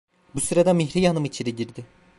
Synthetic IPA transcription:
busyɾed̪ɛmiçɾijanɯmit͡ʃʰiɾiɟiɾd̪ɪ

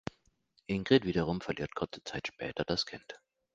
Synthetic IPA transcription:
ʔɪŋɡ̥ʁɪtv̥iːdɐʁ̞ʊmfɛɐliːɐt̚kʰʊɐt͡sə̥t͡saɪtʃpɛ̰ːtʰɐd̥askʰɪnt

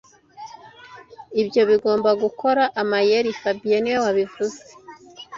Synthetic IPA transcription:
ibjo̞βiɡo̞ːmbaɡukʰo̞ɾaʔamajeɾifabijeniwowaβivuze̥

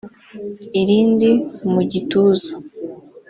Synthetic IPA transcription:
iɾiːndimuɟituːzḁ

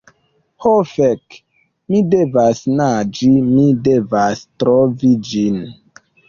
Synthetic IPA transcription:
hofɛk | midevasnad͡ʒimidevastɾovid͡ʒin

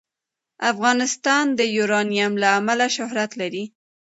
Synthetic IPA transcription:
afɣɑnɪst̪ɑnd̪əjuɾɑnijamlaːmalaʃʊhɾat̪laɾi

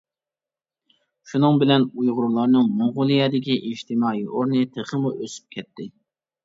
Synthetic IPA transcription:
ʃunɨŋbɪlɛnujʁʊɾulˠɑɾnɨŋmoʁʊlˠijɛd̪ɪkʲiʔiʃt̪ʰɪmɑːiʔoɾnɨt̪ʰəχəmuʔøsy̥p̚kʲʰɛt̪ːɪ

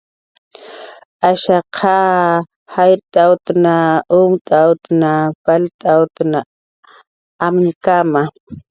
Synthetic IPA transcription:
aʃaqʰa | hajɾt̪ʼawt̪naʊmt̪ʼawt̪napalt̪ʼawt̪na | mnkama

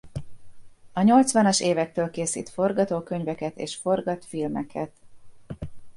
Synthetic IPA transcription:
ɒɲo̞lt̪sʋɒnɒʃeːvɛk̚t̪øːlkeːsḭːt̪fo̞rɡɒt̪oːkø̞ɲvɛkɛt̪ḛːʃfo̞rɡɒt̪filmɛkʰɛt̪

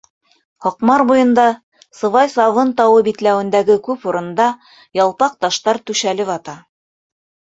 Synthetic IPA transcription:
hoqmɑɾbujɤ̆nd̪ɑ | sɤ̆vɑjsɑvɤnt̪ɑwɤbit̪læwɘ̆nd̪æɡɘkʉpuɾɤ̆nd̪ɑ | jɑlˠpɑq̚t̪ɑʃt̪ɑɾt̪ʉʃælɘβɑt̪ɑ

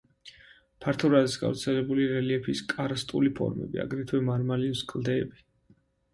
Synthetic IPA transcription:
pʰaɾt̪ʰɔɾazisɡa̰vɾt̪sʰɛlɛbuliɾɛliɛpʰiskʼaɾast̪ʼṵlipʰɔ̰ɾmɛ̰bḭa̰ɡɾɛt̪ʰwɛmaɾmalimskʼlˠd̪ɛːbi

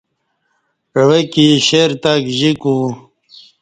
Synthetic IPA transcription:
wekiɕeɾt̪akʑiku

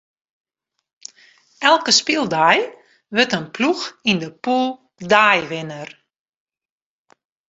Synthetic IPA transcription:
ɛlˠkəspilˠdaj | ʋətənpluxindəpulˠ | daːjʋɪnər

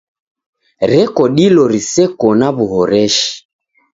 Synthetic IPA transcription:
ɾɛkɔɗilɔɾisɛkɔnaβuɦɔɾɛʃi̥

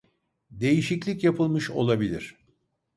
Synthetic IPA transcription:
d̪e̞jiʃiclʲikcjapʰɯlˠmɯʃo̞̰lˠabilʲḭɾ̥

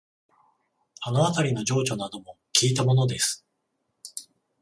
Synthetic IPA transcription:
anoat̪aɾʲino̞ʑo̞ːt͡ɕo̞nad̪o̞mo̞kʲiːt̪amo̞no̞d̪e̞sɨ̥

